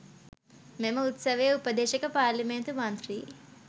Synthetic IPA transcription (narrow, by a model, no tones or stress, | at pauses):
memɐut̪sɐʋeːupɐd̪eːʃɐkɐpaːɾlɐment̪umɐnt̪ɾiː